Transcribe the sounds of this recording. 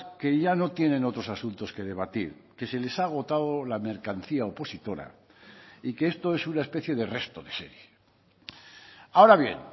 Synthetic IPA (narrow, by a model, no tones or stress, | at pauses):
ke̞ʝano̞t̪je̞nẽ̞no̞t̪ɾo̞sasunt̪o̞ske̞ð̞e̞β̞at̪iɾke̞se̞le̞saɣ̞o̞t̪aðolame̞ɾkanθiaopo̞sit̪o̞ɾa̰ | ikeest̪o̞e̞sunaespe̞θje̞ðe̞re̞st̪oðe̞se̞̰ɾje | ao̞ɾaβje̞̰n